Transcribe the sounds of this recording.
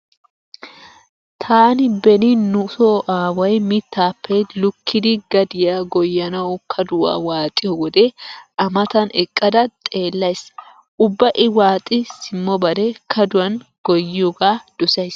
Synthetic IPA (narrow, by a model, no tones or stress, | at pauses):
t̪ʰaːnɪbɛnɪnʊsoːʔaːwɐjmɪt̪ːaːpːɛlʊkʰːɪd̪ɪɡɐd̪ɪjaɡɔjːɐnɐwkʰɐd̪ʊwa̰ːwaːt̪ʼːɪjɔwɔd̪ɛʔɐmɐt̪ɐnɛ̰kʼːɐd̪ɐt̪ʼe̞ːlːɐjs | ʔʊbːɐʔɪwaːt̪ʼɪsɪmːɔbɐɾɛkʰɐd̪ʊwɐnɡ̥ɔjːɪjɔɡaːd̪̥ʊsɐjs